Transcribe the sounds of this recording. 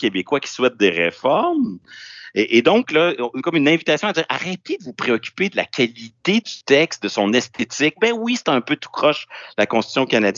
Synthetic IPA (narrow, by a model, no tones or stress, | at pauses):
kʲebekwakʲi̥swɛt̪̚d̪eʁḛfɔʁm | eʔed̪ɔ̃klʌkɔmynɛ̃vit̪asjɔ̃adziːʁa̰ʁɛt̪ed̪əvupχeɔkʲy̥ped̪əla̰kʲalit̪ed̪yt̪ɛkst̪̚d̪əsɔ̃nɛst̪ʰet̪ɪk̚bɛ̃wisɛ̥t̪ɛ̃pøt̪u̥pχɔʃlakɔ̃st̪t̪sjɔ̃kanad͡z